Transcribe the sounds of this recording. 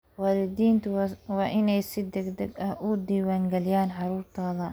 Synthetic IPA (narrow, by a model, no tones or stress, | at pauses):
waːlɪd̪iːnt̪ʰʊwɑːʔɪnɛjsɪd̪ɛɡd̪ɛɡɐʔʊd̪iːwaːŋɡɛlɪjaːnħɑɾuːɾt̪ʰaːðɐ